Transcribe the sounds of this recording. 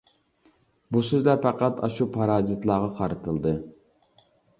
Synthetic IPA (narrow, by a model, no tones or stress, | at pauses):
busyzlæpæqæt̪ɑ̰ʃupʰɑɾɑːzɨt̪lˠɑːʁɑqʰɑɾɨt̪ʰɨlˠd̪ɨ